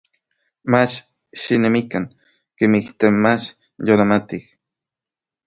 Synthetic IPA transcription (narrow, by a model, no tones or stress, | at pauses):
mat͡ʃ | ʃinemikaŋ | kemiht̪emat͡ʃ | jolamat̪ih